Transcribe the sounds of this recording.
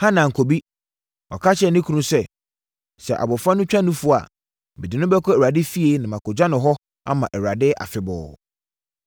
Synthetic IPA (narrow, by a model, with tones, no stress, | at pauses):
hã˦nã˨ŋ̩˨kʰo˨bi˦ | ɔ˨kʰa˦t͡ɕʰɛ˨nɪ̃˦kʰu˨nũ˦sɛ˦ | sɛ̰˨ʔa̰˨bɔ˨fɾã˦nʊ̃˦t͡ɕᶣã˦nũ˦fʊ˦˨a̰˨ | bɛ˨dɪ˨nʊ̃˦bɛ˦kʰɔ˦ɛ˨a˨dɪ˦fi˦e˦nã˨mã˨kʰɔ˨d͡ʑᶣã˦nʊ̃˨ɦɔ˦ | a̰˦mã˨ʔɛ˨ɾa˨dɪ˦ʔa̰˨fɪ˨bɔ̰ː˨